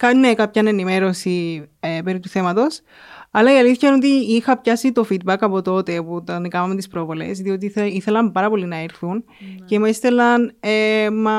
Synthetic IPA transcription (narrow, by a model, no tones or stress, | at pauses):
kɐnːekɐpçɐne̞nime̞ɾo̞siepe̞ɾit̪uθe̞mɐt̪o̞s | ɐlɐiɐliθçɐino̞t̪iixɐpçɐsit̪o̞fid̪̚bɐkɐpo̞t̪o̞t̪e̞put̪ɐnikɐmɐmet̪ispɾo̞vo̞le̞̰sðio̞t̪̬iiθe̞lɐmpɐɾɐpo̞linɐeɾθun | ce̞mest̪e̞lɐnemɐ